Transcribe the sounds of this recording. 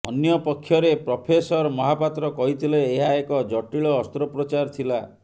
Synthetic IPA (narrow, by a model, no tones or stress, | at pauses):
ɔnjɔpɔkʰːjɔɾepɾɔpʰesɔɾɔmɔɦapat̪ɾɔkɔɦit̪ʰileːɦaekɔd͡ʒɔʈiɭɔːst̪ɾɔpɾɔt͡ʃaɾt̪ʰila